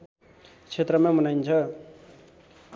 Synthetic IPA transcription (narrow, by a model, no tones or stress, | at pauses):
t͡sʰet̪rʌmãmʌnajnt͡sʰʌ